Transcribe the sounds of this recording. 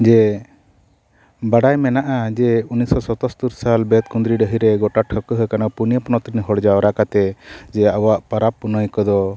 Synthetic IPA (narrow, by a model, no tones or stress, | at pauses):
d͡ʒɛ | baɽajmɛnaʔad͡ʒɛunisɔsɔt̪ɔst̪uɾsalbɛt̪̚kund̪ɾiɖəɦiɾɛɡɔʈaʈʰɔkəɦəkanapunijəpɔnɔt̪ɾinɦɔɽd͡ʒaɔɾakat̪ɛd͡ʒɛawaʔpaɾapːunəjkɔd̪ɔ